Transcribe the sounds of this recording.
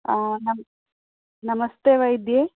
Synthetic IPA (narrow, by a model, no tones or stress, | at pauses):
anɐm | nɐmɐst̪eʋɐjd̪je